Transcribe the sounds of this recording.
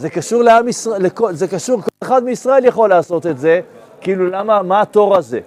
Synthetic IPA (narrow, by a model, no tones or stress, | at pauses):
ze̞kaʃuʁleamisʁlekozekaʃuʁkoleχad̪meisʁae̞ljaχo̞laːso̞t̪e̞tze̞ | kiiːlulamamaːt̪o̞ʁaze̞̰